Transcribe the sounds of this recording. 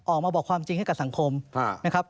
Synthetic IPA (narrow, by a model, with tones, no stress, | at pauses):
ʔɔː˨˩k̚maː˧bɔː˨˩kʰwaː˧mt͡ɕi˧ŋha˥˩jkp̚sa˩˦ŋkʰo˧mʰː˥˩na˦˥kʰɾp̚